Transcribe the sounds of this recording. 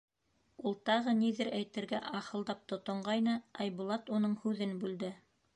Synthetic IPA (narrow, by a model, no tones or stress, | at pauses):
ulˠt̪ɑʁɤniðɘɾæjt̪ɘ̆ɾɡæʔɑχɤ̆lˠd̪ɑp̚t̪ŏt̪ŏɴɢɑjnɤɑjbulˠɑt̪unɤɴhʉðɘnbʉld̪ɘ